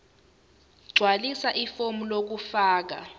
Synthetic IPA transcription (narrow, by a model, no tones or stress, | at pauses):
ɡ͡ǀʱwalisaʔifomulok̬ufaːk̬a̰